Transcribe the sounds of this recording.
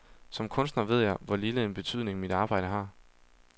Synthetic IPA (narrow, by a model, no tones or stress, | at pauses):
sɒ̽mkʰɔ̽nsd̥nɐʋe̝ð̞̰ˠjɑɪʋɒliːləenb̥e̝t͡sʰyð̰ˠne̝ŋmid̥ɑ̈ːb̥ɑ̈ɪ̰ɾ̥əɦɑ̈ː